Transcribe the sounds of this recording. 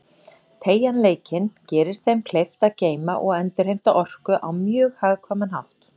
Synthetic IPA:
t̪ʰeːjanleːjcɪncɛːɾɪɾ̥θejmkʰlejft̪aceːjma̰ʔɔɣœnt̪ɪɾ̥hejm̥t̪aʔɔr̥kʏʔawmjœːɣhaːɣkʰɔːmanɦawht̪

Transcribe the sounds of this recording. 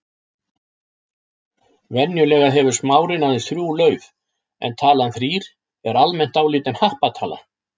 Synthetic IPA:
vɛnjʏlɛːɣaɦɛvʏɾ̥smaːwɾɪnaðɪθɾjuːwlœːɥv | ɛ̰nt̪ʰaːlanθɾiːɾ̥ | ɛɾalmɛn̥t̪awliːt̪ɪnhahpat̪ʰaːla̰

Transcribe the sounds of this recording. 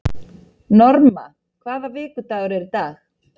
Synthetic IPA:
nɔɾma̰ | kʰvaːðavɪːkʏt̪aːɣʏɾɛɾt̪aːx

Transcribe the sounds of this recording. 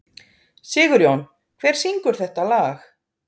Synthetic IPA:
sɪːɣʏɾjown | kʰv̥ɛːɾ̥siŋkʏɾ̥θɛht̪alaːx

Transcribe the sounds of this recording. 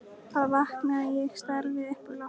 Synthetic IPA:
θaðvahknaajɛɣst̪aɾvɪðɛhpaɾla

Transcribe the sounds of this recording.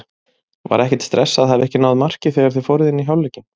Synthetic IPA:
va̰ɾɛhcɛt̪st̪ɾɛsːaðɦavɛhcɪnawðmar̥cɪθɛɣaɾ̥θœfoːwɾɪðɪnːiçjawlɛːcɪ

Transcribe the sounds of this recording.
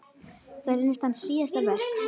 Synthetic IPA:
kvaɾɪnɪst̪ansiːast̪alvɛɾ̥

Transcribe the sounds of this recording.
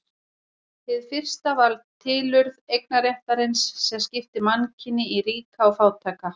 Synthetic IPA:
hɪðfɪr̥st̪avalt̪ʰːɪːlʏɾðejk̚naɾjɛht̪aɾɪnsːɛmscɪft̪ɪmancʰɪnːɪiɾiːkawfaːwt̪ʰaːka

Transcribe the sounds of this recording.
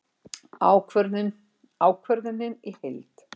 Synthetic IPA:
awkʰvɛɾ | aːwkʰvɛɾðʏnːɪnihejlt̪

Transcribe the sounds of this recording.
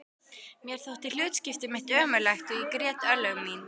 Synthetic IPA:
mjɛɾ̥θowht̪ɪl̥ʏːt̪scɪft̪ɪmɪht̪œːmʏlajxt̪ʏikɾɛːt̪œlœmmiːn

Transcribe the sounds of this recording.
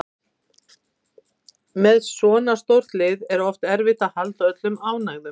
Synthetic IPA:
mɛðsɔːnast̪owɾ̥t̪lɪːðɛɾɔft̪ɛɾvɪht̪ahalt̪œt̪lʏmaːwnaːɣðʏ

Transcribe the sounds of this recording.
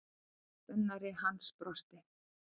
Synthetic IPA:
ʏnːaɾɪɦanspɾɔst̪ɪ

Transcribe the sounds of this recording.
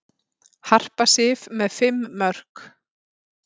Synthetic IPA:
har̥pasɪvmɛðfɪmːœr̥k

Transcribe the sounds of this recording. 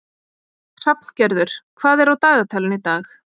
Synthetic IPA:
r̥ap̚n̥cɛɾðʏɾ̥kʰvaːðɛɾawt̪aːɣat̪ʰɛlɪnit̪aːx

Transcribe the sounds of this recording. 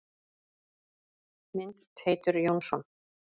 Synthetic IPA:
mɪnt̪t̪heːjt̪ʏɾjownsɔn

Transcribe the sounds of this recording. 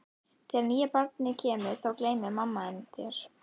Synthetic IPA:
t̪ʰɛɾniːjɛpaɾt̪̚nɪcʰɛːmʏ̥θawkleːjmɪmamːaɛnt̪jɛɾ̥

